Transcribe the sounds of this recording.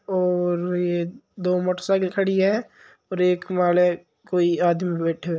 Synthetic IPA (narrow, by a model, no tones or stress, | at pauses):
ɔːɾjed̪oːmoːʈəɾsaːklkʰəɽiɦɛ | ɔːɾeːkmaːle | koːiaːd̪mebɛːʈʰe